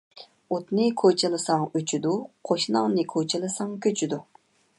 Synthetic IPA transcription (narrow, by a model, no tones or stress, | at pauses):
ot̪nɨkʰot͡ʃʰilˠɨsɑŋøt͡ʃʰyd̪uqʰoʃnɑŋnɨkʰot͡ʃʰilˠɨsɑŋkʲʰøt͡ʃʰyd̪u